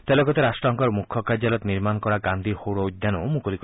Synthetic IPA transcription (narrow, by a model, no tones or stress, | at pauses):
t̪elɔɡɔt̪eɾasʈɾɔŋkɔɾmukʰːɔkad͡ʒjalɔt̪niɾmanɔkɔɾaɡand̪ʱihowɽɔud̪janɔmukolik